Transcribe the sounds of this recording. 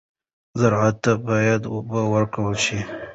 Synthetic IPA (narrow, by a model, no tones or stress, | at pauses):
zaɾʕat̪ːabɑjad̪ʊbawəɾkawəlʃi